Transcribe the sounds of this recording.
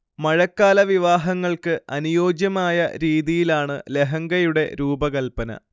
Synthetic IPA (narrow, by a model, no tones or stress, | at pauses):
mɐɻɐkːaːlɐʋiʋaːɦɐŋːɐɭkɨʔɐnujo̞ːd͡ʑjɐmaːjɐɾiːðijilaːɳɨle̞ɦɐŋɡɐjuɽe̞ɾuːbɐɣɐlpɐnɐ̰